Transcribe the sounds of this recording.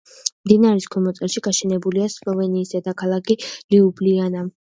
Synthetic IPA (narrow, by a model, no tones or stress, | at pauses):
md̪inaɾiskʰɛmɔt̪sʼɛlʃiɡaʃɛnɛbuliaslˠɔvɛniːsad̪akʰalˠakʰiliubliana